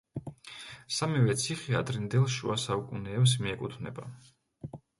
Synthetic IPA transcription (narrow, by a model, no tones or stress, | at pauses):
samivɛt̪sʰiχia̰d̪ɾind̪ɛlˠʃṵasaukʼunɛːps̬miɛkʼut̪ʰvnɛ̰ba